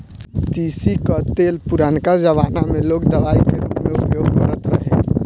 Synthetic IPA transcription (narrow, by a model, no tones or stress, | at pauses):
t̪isikət̪elpuɾankad͡ʒəʋanamelokd̪əlaikeɾupmeupjoɡ̚kəɾət̪ɾəɦe